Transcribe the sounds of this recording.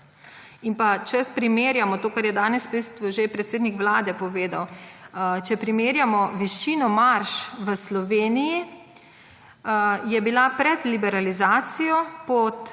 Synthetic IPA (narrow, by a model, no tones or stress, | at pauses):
inpat͡ʃɛspɾimeːɾjamɔt̪oːkaɾjɛd̪aːnɛspest̪uʒepɾɛt̪seːd̪nikʋlaːd̪ɛpɔʋeːd̪aw | t͡ʃɛpɾimeːɾjamɔʋiʃiːnɔmaɾʃʋəslɔʋeːniji | jɛbilapɾɛt̪libɛɾalizaːt̪sijɔpɔt̪